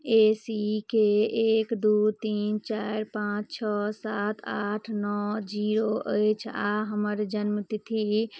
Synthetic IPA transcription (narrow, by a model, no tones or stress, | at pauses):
esikeekd̪ut̪int͡ʃaɾpãt͡ʃt͡ʃʰɔsat̪ʰaʈʰnɔd͡ʒiɾoʔəjt͡ʃʰa̰ɦəməɾd͡ʒənmət̪it̪ʰi